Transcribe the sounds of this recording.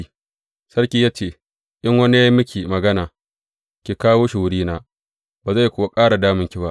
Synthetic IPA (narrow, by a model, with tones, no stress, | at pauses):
sɐ˦rkʲiː˦jaː˦t͡ʃeː˨ | ʔɪ˦ŋwɐ˦ni˦ja˦mʊ˦kʲiː˨mɐ˨ɡɐ˦naː˨ | kʲi˨kaː˦woː˦ʃɪ˨wʊ˦ɽiː˦naː˦ | baː˨za˦˨jkʷʊ˦wa˦kʼaː˦ɽa˨daː˦mɪ˦ŋkʲi˨ba˦ʔ